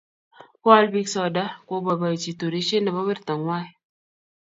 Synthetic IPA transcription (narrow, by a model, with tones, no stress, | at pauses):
kɔ˦a˦lbi˦ksɔ˨da˦ko˦ba˨ba˨ji˨t͡ʃi˨t̪u˨ɾi˦ʃe˦na˨ba˦we˦ɾta˨ŋwa˦˨